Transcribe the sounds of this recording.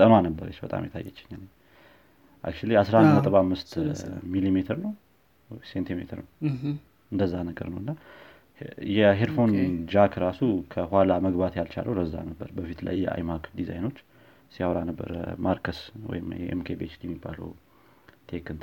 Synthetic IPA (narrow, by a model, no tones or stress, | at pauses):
t̪ʼənoanəbːəɾet͡ʃbət̪ʼa̰mjɛt̪ʰajːɛt͡ʃːɪ̥ɲːane | ʔa̰k̚t͡ʃuliasɾaət̪ʼəβamːɨst̪milimet̪ʰəɾnəw | sent̪ʰimḛt̪ʰəɾnəw | ʔɨnd̪əzːahnəɡə̰ɾnəwɨnːa | jɛɦeɾfo̞nd͡ʒakʰɾasukʰəhalaməɡbat̪jalt͡ʃʰa̰lʔəwɾəzːa̰nəbːəɾbəfit̪la̰jːɛa̰jmakd̪iza̰jno̞t͡ʃː | sijawɾanəbːə̰ɾmaɾkʰəswɔ̰jɪmʔḛmkʰebet͡ʃljɛmːibːa̰lə̰w | t̪ʰekɨnt̪